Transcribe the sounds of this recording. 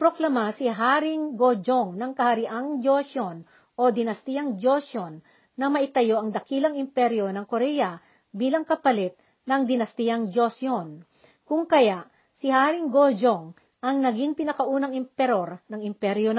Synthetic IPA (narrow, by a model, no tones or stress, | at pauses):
pɾoklɐmasɪɦaɾɪŋɡod͡ʒoŋnɐŋkɐhɐɾɪʔaŋd͡ʒosjon | ʔo̞d̪ɪnɐst̪ijɐŋd͡ʒosjonː | ɐmɐʔɪt̪ɐjo̞ʔɐŋd̪ɐkilɐŋɪmpɛɾjo̞nɐŋkoɾɛjɐ | biːlɐŋkɐpɐlɛt̪̚ | nɐŋd̪ɪnɐst̪ijaŋd͡ʒosjon | kʊŋkɐjaʔ | sɪhaɾɪŋɡod͡ʒoŋ | ʔɐŋnɐɡiŋpɪnɐkɐʔuːnɐŋɪmpɛɾo̞ɾnɐŋɪmpɛɾjon